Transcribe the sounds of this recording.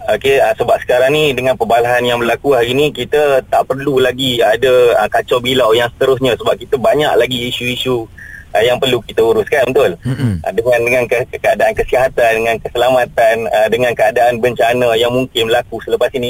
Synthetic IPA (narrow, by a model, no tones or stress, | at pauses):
okeəsəbap̚sə̥kaɾaŋnidəŋãnpəbalaɦanjaŋməlakuɦaɾinikit̪ət̪aʔpərlulaɡiadəəkat͡ʃɔbilawjaŋsə̥t̪əɾʊsɲãsəbap̚kit̪əbaɲa̰ʔlaɡiːsuisuʔəjaŋpərlukit̪əuɾʊskanbət̪ʊlʔə̰dəŋãndəŋankəkəadaankəsiaɦat̪andəŋankəsəlamat̪anədəŋãnkəadaanbəɲt͡ʃanəjaŋmuŋkɪnmbəlakusələpasini